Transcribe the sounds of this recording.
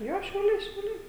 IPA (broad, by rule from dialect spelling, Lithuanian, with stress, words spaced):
ˈjoː ʃʲɛʊˈlʲɛɪ ʃʲɛʊˈlʲɛɪ